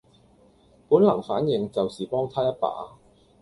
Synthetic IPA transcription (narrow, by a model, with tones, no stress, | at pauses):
puː˨˥nlɐ˨˩ŋfa̰ː˨˥njɪ˨˧ŋt͡sɐ˨wsiː˨˩pɔː˥ŋt̪ʰaː˥jɐ˥t̚pa̰ː˨˥